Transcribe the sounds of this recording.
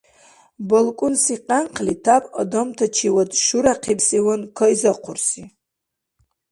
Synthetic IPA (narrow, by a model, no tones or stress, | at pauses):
bolkʼʊnsiqʼanqʰlitʰapʼa̰domtʰat͡ʃʰiwadʼʃuɾaqʰipʰsiwankʰaizaqʷʰʊrsi